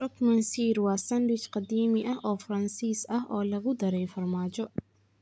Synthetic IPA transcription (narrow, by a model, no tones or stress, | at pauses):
ɔkmɐnsiːrwɑːsɐndwɪt͡ʃqɑd̪iːmɪʔɐɦʔɔːfrɐnsiːsɐɦʔɔːlɐɣʊd̪ɐɾɛjfɐrmaːd͡ʒɔ